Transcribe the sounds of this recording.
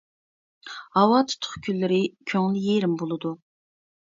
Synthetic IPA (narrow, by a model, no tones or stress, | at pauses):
hɑwɑt̪ʰy̥t̪ʰːʊ̥χkʲʰylːɪɾɪkʲʰøŋlɪjeɾɪmbolˠɨd̪u